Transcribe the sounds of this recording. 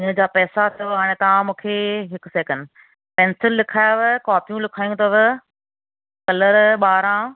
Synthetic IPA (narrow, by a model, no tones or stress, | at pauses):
ɪɲəd͡ʑaːpɛːsat̪ʰoʋaːɽ̃ẽt̪ɐʋ̤ãmũːkʰeːɦɪkseːkə̃n | pɛ̃ːnsɪlːɪkʰaːjaʋekaːpijũlɪkʰaːjũt̪ʰoʋɪ | kɐləɾɓaːɾãː